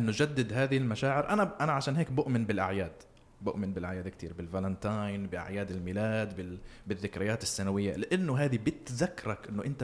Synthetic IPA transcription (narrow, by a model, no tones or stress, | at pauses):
ʔɪnːʊd͡ʒad̪ːɪd̪ɦaːðiɪlmaʃaːʕɪɾʔanaʔanaʕaʃaːnɦeːkbʊʔmɪnbɪlʔaʕjaːd̪ | bʊʔmɪnbɪlʔaʕjaːd̪kt̪ʰiːɾbɪlvalant̪ajnbɪʔa̰ʕjaːd̪ɪlmiːlaːd̪bɪbɪðːɪkɾɪjaːt̪ɪsːanawɪjːa̰lɪʔanːʊɦaːðibɪt̪ðakːɾˤɑkʔɪnːʊʔɪnt̪a